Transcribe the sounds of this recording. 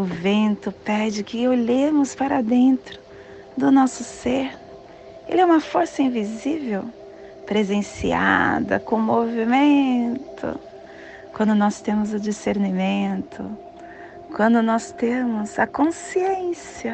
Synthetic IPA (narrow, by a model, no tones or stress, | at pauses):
ʊvẽnt̪ʊpɛd͡ʒɪkɪoʎemʊspaɾɐd̪ẽnt̪ɾʊ | d̪ʊnɔsʊseɾ | ḛlɪɛũmɐfoɾsɐĩvizivew | pɾezẽsia̰d̪ɐ̰kõmovimẽt̪ʰʊ̰ | kwɐ̃nd̪ʊnɔst̪ẽmʊzʊd͡ʒiseɾnimẽnt̪ʰʊ̰ | kwɐ̃nd̪ʊnɔst̪ẽmʊzɐkõsiẽsiɐ